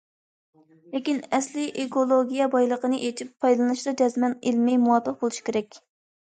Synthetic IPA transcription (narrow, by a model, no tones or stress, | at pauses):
lekʲinɛslɪʔekolˠoɡʲijɛbɑjlˠəqənɨʔet͡ʃʰipʰːɑjd̪lˠɨnɨʃd̪ɑd͡ʒɛzmɛnelmɛjmuwɑt̪ːəq̚bolˠuʃi̥kʲeɾɛkʲ